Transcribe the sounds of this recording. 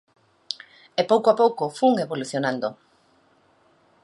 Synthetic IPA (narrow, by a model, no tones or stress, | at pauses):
epowkoapowkofuŋeβoluθjonãnd̪o